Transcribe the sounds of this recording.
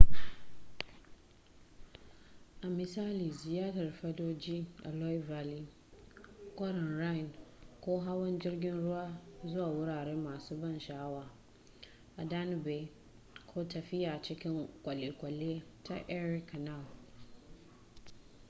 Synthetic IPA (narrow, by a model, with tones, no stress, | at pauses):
ʔa˨mɪ˨saː˦liː˨zɪ˨jaː˦tɐ˨rɸɐ˦doː˦d͡ʒiː˦ʔa̰˨lɔ˦jvaː˨li˦ | kʷʼɐ˦ɾɔ˨nɾa˦jnkʷoː˦ɦa˦wɐ˦nd͡ʒɪ˦rɡʲɪ˦nɽʊ˦waː˦zʊ˦waː˨wʊ˦ɾaː˨ɾɛ˦mːaː˨suː˦bɐ˦˨nʃa˨ha˦waː˨ | ʔa˨da˦n˨be˨ | kʰoː˦tɐ˨ɸɪ˦jaː˨t͡ʃɪ˦kʲɪ˦ŋkʷʼɐ˨le˨kʷʼɐ˨leː˦tʰa̰˦ʔɛ˦ɾɪ˦ka˨na˦˨l